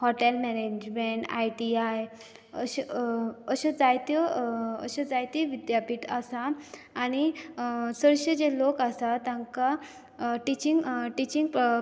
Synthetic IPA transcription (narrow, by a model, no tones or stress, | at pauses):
hɔʈelmɛned͡ʑd͡ʑmeɳʈa̰jʈiaj | əɕ | əɕəd͡zajt̪ɔə̰ɕəd͡zajt̪iʋid̪japiːʈasaː | ñi | səɾɕed͡ʑelokasat̪ãŋka | ʈit͡ɕiŋɡʈit͡ɕĩŋɡ